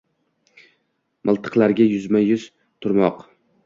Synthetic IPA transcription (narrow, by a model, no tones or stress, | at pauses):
mʔɨlˠt̪ʰɨ̥qlˠaɾɡʲajʊzmajʊz̥ | t̪ʰʊɾmɒq